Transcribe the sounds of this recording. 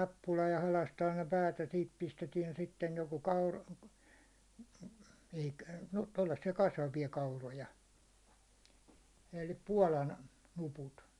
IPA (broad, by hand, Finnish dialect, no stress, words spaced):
nɑpːulɑ jɑ hɑlɑstɑːn ne pæːt jɑ siːt pistetiɛn sitːej joko kɑur e̥i̥kæ̥ no tolːɑsːiɑ kɑsʋɑʋiɑ kɑurojɑ elːi puɒlɑn nuput